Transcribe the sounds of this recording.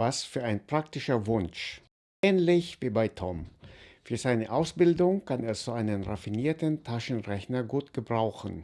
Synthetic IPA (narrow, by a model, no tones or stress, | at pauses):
vasfyːɐʔaɪnpʁ̥aktɪʃɐvʊnʃ | ʔɛːnlɪçv̥iːbaɪtʰɔmfyːɐzaɪnəʔaʊsb̥ɪldʊŋkʰanez̥oːʔaɪnənʁafiniːɐtən̩tʰaʃn̩ʁɛçnɐɡuːtɡ̥əbʁaʊxn̩